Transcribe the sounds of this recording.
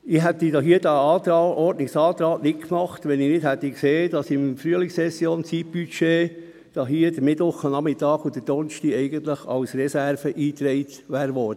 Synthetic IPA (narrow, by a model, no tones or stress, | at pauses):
ɪɦɛt̪idɑːɦiːəd̥ɑɑːt̪ɑʔɔɾdnɪksɑːt̪ɾɑːtnɪtkmɑχt̪ʋɛnɪnɪthæt̪ːikseːd̥ɑsɪmfɾyəlɪsɛsjoːnt͡sit̚b̥yt͡ʃeː | d̥ɑɦiːəd̥əmɪtʋʊχənɑmɪtɑːɡ̥ʊd̥̪əd̥ɔnʃtiɛɪɡənt̪ləχɑ̰wsɾɛsæɾfəʔiːt̪ɾɛɪt̪ | ʋæːɾʋɔɾd̥ə